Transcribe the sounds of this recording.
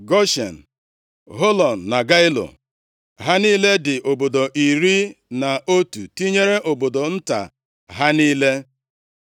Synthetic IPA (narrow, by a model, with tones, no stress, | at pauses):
ɡɔ˦ʃḛ˨n̩˨ | ɦo˦lɔ˨n̩ː˨a˨ɡa˦ɪ˦lo̰˨ | ɦa˦ni˦le˦dɪ˨ʔo˨bo˨do˨ʔi˨ɾi˦na˨o˦tu˨ti˦ɲe˦ɾe˦ʔo˨bo˨do˨n̩˦ta̰˨ | ɦa˦niː˦le˦